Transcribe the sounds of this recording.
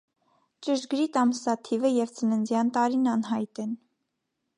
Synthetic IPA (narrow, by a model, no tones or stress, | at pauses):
t͡ʃəʒɡɾit̪ɑmsɑt̪ʰivəjɛvt͡sənənd͡zjɑnt̪ɑɾinɑnɦɑjt̪ɛn